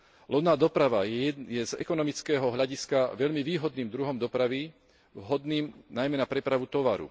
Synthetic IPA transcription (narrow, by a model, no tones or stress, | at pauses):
lɔnaːd̪ɔpɾaʋajɛzɛ̰kɔnɔmit͡skɛːɦɔɦʎaɟiskaʋɛʎmiʋiːɦɔd̪niːmd̪ɾuɦɔmd̪ɔpɾaʋi | ɦɔd̪niːmnajmɛnapɾɛpɾaʋut̪ɔʋaɾṵ